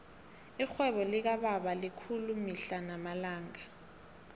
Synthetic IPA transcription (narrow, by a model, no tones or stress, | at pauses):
ixwɛɓɔlik̬aɓaɓalikʰulumiɬanamalaːŋa